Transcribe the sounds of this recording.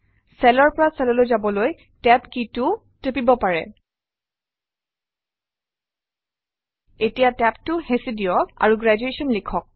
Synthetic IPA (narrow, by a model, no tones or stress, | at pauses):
sɛlɔɹpɔɹasɛlɔlojzabɔloj | tɛpkitʊ | tepibɔpaɹɛ̰ | etijatɛptʊhesidijɔa̰ɹuɡɹad͡ʒuesɔnlikʰɔk̚